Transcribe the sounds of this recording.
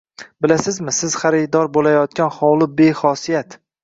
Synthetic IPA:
bɪlasɪzmɪsɪz̥χaɾɪd̪ɒɾbolajɒt̪̚kʲanχɒwlˠɪbe̞χɒsijat̪

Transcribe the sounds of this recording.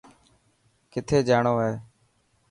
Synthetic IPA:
kɪt̪ʰeːd͡ʒaːɳoːeː

